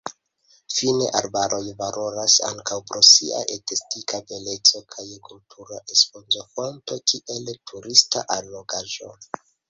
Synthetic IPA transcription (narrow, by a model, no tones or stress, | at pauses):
fine̞̰ʔaɾbaɾʔo̞jvalʔo̞ɾasa̰ŋkawpɾo̞sia̰ʔetestikʰabele̞t͡so̞kʰajkʰultʰuɾaʔespo̞nzofonto̞kʰiʔe̞ltʰuɾista̰ʔaɾloɡaʒo̞̰